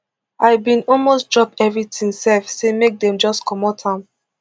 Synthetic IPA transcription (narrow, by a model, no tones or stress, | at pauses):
aɪbĩnɔlmosdɹɔpɛvɹitʰĩŋsɛlfsemek̚dɛ̃md͡ʒɔskʰɔmɔtʰãm